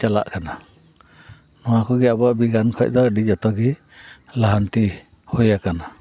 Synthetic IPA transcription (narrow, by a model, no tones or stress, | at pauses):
t͡ʃala̰ʔkana | nɔwakɔɡɛabɔʔbiɡankʰɔc̚d̪ɔɖid͡ʒɔt̪ɔɡi | laɦant̪i | hojakana